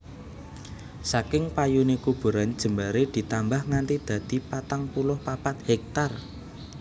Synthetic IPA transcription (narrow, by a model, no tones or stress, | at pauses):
sakɪŋpajunekub̥ṳɾand̥ʒ̥ə̤mbaɾed̪̥i̤t̪ambahŋant̪id̪̥ä̤d̪̥i̤pat̪aŋpulʊhpapat̪̚hɛk̚t̪ar